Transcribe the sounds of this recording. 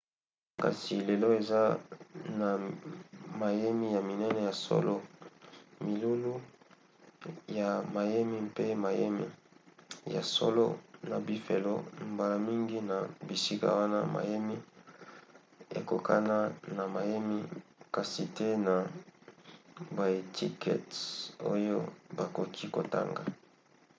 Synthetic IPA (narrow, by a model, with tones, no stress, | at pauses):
ka̰˨si˨le˨lo˦e˨za˦na˨ | ma˨je˦mi˦ja˨mi˨nɛ˦nɛ˦ja˨so̰˦lo˦ | mi˨lu˦lu˦ | ja˨ma˨je˦mi˦pe˦ma˨je˦mḭ˦ | ja̰˨so̰˦lo̰˦na˨bi˦fe˨lo˦mba˨la˨mi˦ŋɡi˦na˨bi˨si˦ka̰˨wa˦na˦ma̰˨je˦mi˦ | ḛ˨ko˨kʰa̰˦na˦na˨ma˨je˦mi˦ka˨si˨te˦na˨ | ba˨e˨tʰi˦kʰɛ̰˨to̰˦jo˦ba˨ko˨kʰi˦ko˨ta̰˦ŋɡa̰˨